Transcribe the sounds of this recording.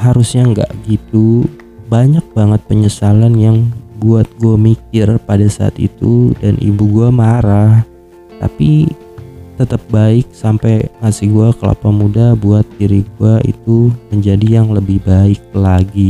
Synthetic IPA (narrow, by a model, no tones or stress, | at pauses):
haɾʊsɲaŋɡa̰ʔɡit̪u | baɲak̚baŋət̪̚pəɲəsalanjaŋbuat̪̚ɡuamikɪrpadasa̰a̰t̪ḭt̪udanʔḭbuɡuamaɾah | t̪a̰pi | t̪ət̪əp̚baɪk̚sampajmasihɡuakəla̰pamudabuat̪̚ːiɾiɡuaḭt̪uməɲd͡ʒadijaŋləbɪhbaɪk̚laɡi